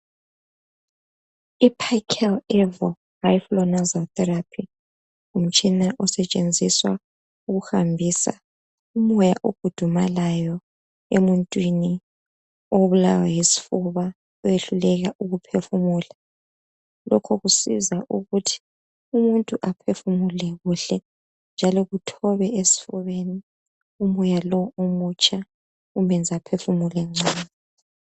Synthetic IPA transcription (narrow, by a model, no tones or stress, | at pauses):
ipʰajkʰɛlɛvɔ | hajflɔnazatɛɾapʰi | um̩t͡ʃʼinaʔɔsɛt͡ʃʼend͡zʱiswa | uɣuhambʱiːsa̰ | umɔjaʔoɡ̥ʱud̥ʱumalajɔ | emuntʼwini | oβulawajisi̥fuβa | ɔjeɬulɛɣaʔuɣupʰefumuːla | lɔ̰kʰɔɣusḭzaʔuɣutʰi̥ | umuntʼuʔapʰefumulɛɣuɬɛ | nd͡ʒʱalɔɣutʰɔβɛesi̥fuβeni | umɔjalɔomut͡ʃʼa | umɛnd͡zʱapʰefumulɛŋ͡ǀʱaːnɛ